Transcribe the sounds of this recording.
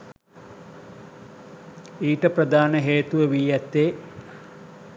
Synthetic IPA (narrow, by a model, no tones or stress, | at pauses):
iːʈəprəd̪ʱaːnəɦeːt̪uʋəʋiːjæt̪ːeː